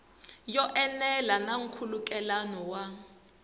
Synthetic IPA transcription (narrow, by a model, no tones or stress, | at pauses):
jɔʔɛnɛlanaŋ̩kʰulukʼɛlanɔwa